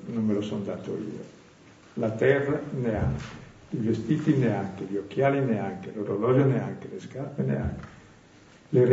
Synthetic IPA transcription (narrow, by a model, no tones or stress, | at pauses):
nommelosɔnd̪aːt̪o̰ḭːo̰ | lat̪ɛrːanea̰ŋke̥ | ivest̪iːt̪ineaŋkeʎiokːjaːlineaŋkeloɾolɔloneaŋkeleskarpenḛa̰ŋke̥ | leɾ